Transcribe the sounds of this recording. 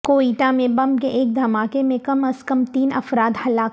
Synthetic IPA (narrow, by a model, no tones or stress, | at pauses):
koːiːʈamẽbɐ̃mbkeʔeːk̚d̪ʱɐmaːkemẽkɐməskɐmt̪iːnɐ̰fɾaːt̪hɐlaːk